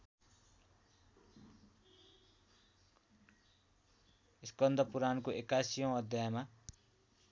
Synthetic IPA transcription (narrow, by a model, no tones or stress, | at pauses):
iskʌnd̪ʱʌpuɾankoʔekasijʌ̃w̃ʌd̪ʱjajma